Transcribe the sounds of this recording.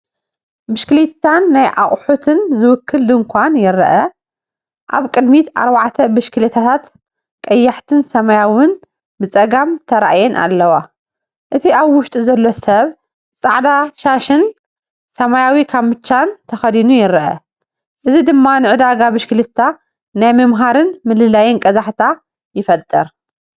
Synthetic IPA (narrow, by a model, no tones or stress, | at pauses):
bɨʃklit̪ʰːanːajʔa̰χʼħut̪ʰɨnzɨwʊkʰːɨld̪ɨŋkʷʰanjɪɾɐʔɐ | ʔa̰βkʼɨd̪mit̪ʔa̰ɾβaʕt̪ʰɐbɨʃkɨlit̪ʰat̪ʰat̪ | kʼɐjːaħt̪ʰɨnsɐmajawɨn | bɨt͡sʼɐɡamt̪ʰɐɾa̰ʔjɛnʔa̰lːɐwa | ʔɨt̪ʰiʔaβwʊʃt̪ʼizɐlːosɐβ | t͡sʼa̰ʕd̪aʃaʃɨn | sɐmajawikʰaβmɨt͡ʃːant̪ʰɐxɐd̪inujɪɾʔɐ̰ | ʔɨzid̪ɨmːanɨʕɨd̪aɡabɨʃkɨlɨt̪ʰːa | najmɐmɦaɾɨnmɨlɨlajɛnkʼɐzaħt̪ʰa | jɪfɐt̪ʼːɨɾ